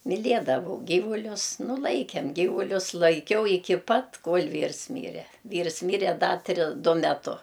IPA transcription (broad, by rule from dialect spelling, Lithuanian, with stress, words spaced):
mʲɪˈlʲiɛdɐʋɐʊ ˈɡʲiːʋʊlʲʊs nʊ ˈlˠɐɪkʲɛm ˈɡʲiːʋʊlʲʊs lˠɐɪˈkʲɛʊ ɪˈkʲɪ ˈpɐt ˈkoːlʲ ˈʋʲiːrs ˈmʲiːrʲɛ ˈʋʲiːrs ˈmʲiːrʲɛ ˈdɐ ˈtʲrʲɪ ˈdʊ mʲɛˈtʊ